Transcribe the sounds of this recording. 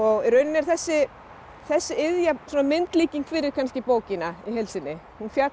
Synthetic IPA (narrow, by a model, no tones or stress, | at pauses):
ɔɣirœɥnɪnɛɾ̥θɛsːɪ | θɛsːɪɪðjasɔːnamɪnt̪liːciŋkfɪɾɪɾ̥kʰanscɪpoːwcɪnaiɦelsɪnːɪ | hunfja